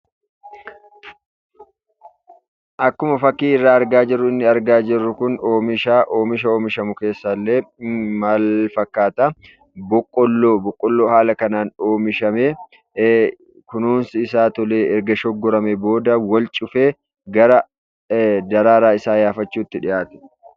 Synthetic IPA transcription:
ʔɐkːʊmɐfɐkːiːɪrːaːɐɾɡaːd͡ʒɪrːʊɪnːɪɐɾɡaːd͡ʒɪrːʊkʊno̞ːmɪʃaːʔo̞ːmɪʃɐo̞ːmɪʃɐmʊke̞ːsːɐlːeːmɐlfɐkːaːt̪ɐ | bɔkʼːɔlːoːbɔkʼːɔlːoːhaːlɐkɐnaːno̞ːmɪʃɐme | kʊnuːnsɪɪsaːt̪ɔleːɛɾɡɐʃɔɡːɔɾɐmɛbo̞ːd̪ɐwɐlt͡ʃʼʊfeː | ɡɐɾɐ | d̪ɐɾaːɾaːɪsaːjaːfɐt͡ʃːuːt̪ːɪᶑɪʔaːt̪ɪ̥

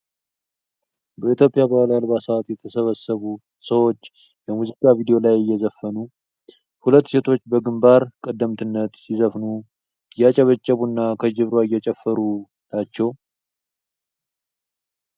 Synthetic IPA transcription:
bəit̪jo̞pʼijabalaalβasat̪jɛt̪ʰəsəβəsəβu | səwo̞t͡ʃː | jɛmuzikʼavid̪ijo̞lajɪjːɛzəfːənu | hulət̪ːse̞t̪ʰo̞t͡ʃːbəɡɨmbaɾkʼəd̪ːəmt̪ʰɨnːət̪sizəfnu | ɨjːat͡ʃʼɛβət͡ʃʼːəβunːakʰəd͡ʒɪβɾoɪjːɛt͡ʃʼɛfːəɾu | nat͡ʃːɛw

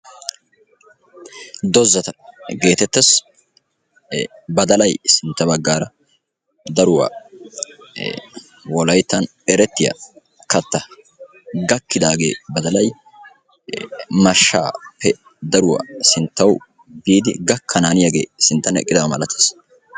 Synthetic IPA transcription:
d̪ɔzːɐt̪ɐɡe̞ːt̪ɛt̪ːɐs | bɐd̪ɐlɐjsɪnt̪ːɐbɐɡːaːɾɐ | d̪ɐɾʊwa̰ | wɔlɐjt̪ːɐn | ɛɾɛt̪ːɪjɐ̰ | kɐt̪ːɐ | ɡɐkːɪd̪aːɡḛːbɐd̪ɐlɐj | mɐʃːa̰ːpːɛ | d̪ɐɾʊwa̰sɪnt̪ːɐw | biːd̪ɪ̰ɡɐkʰːɐnaːnɪjɐɡḛːsɪnt̪ːɐnɛ̰kʼːɪd̪ɐwmɐlɐt̪ʰːɐ̥s

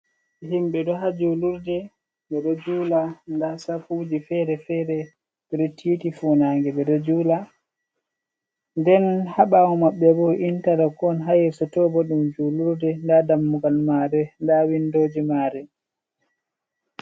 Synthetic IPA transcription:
ɦimɓɛɗɔɦad͡ʒuluɾdɛ | ɓɛɗɔd͡ʒuːlandasafud͡ʒifɛɾɛfɛɾɛ | ɾetʰːiːtifuːnaːŋɡɛɓɛɗɔd͡ʒuːla | ndɛnhaɓawɔmaɓːɛbɔʔintalɛkɔnɦajɛsɔtɔbɔɗumd͡ʒuluɾdɛndadamːuɡalmaɾɛndawindoːd͡ʒimaːɾɛ

